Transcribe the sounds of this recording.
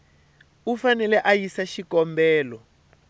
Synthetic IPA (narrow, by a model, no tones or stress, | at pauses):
ufanɛlɛʔajisaʃikɔmbɛːlɔ